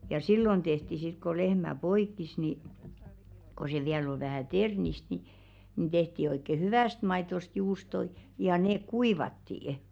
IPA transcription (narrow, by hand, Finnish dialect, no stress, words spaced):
jɑ silːon d̥ehti sit ko lehmæ poikːis ni ko se ʋiæl ol ʋæhæˑ ternist ni ni tehti oikːe hyʋæˑst mɑitost juːstoi jɑ neːk kuiʋɑtːiə̆